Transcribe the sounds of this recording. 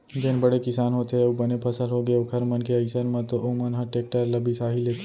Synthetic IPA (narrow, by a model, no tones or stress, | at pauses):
d͡ʒeːnbɐɽekɪsaːnɦoːt̪eɦeɐbɐnepʰɐsəlɦoɡeokʰɐɾmɐnkeɐɪsənmãt̪oʔomɐnɦaʈeːk̚ʈəɾlɐbʱisaːɦileːt̪e